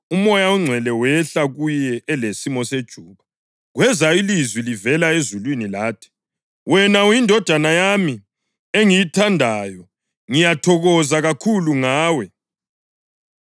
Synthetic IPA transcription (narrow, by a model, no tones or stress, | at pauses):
umɔjauŋ͡ǀʱɛlɛwɛɬaɣujɛɛlesimɔsed̥ʒ̥ʱuːβa | ɣwɛzailizwilivɛlaezulwinilaːtʰi̥ | wɛnaujindʱɔd̥ʱanajami | eŋijitʰandʱajɔ | ŋijatʰɔɣɔzaɣakʰuluŋaːwɛ